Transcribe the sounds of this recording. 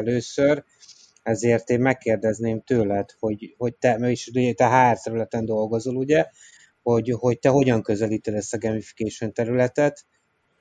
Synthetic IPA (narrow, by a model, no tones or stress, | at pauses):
løːsør | ɛzeːrt̪eːmmɛkːeːrd̪ɛzneːmt̪øːlɛt̪ho̞ɟho̞ɟ̚t̪ɛmiʃd̪uɛt̪ɛɦaːrt̪ɛɾylɛt̪ɛnd̪o̞lɡo̞zoluɟɛ | ho̞ɟho̞ct̪ɛɦo̞ɟɒŋkø̞zɛliːt̪ɛd̪ɛst̪ɒɡɛmifi̥keːʃont̪ɛɾylɛt̪ɛt̪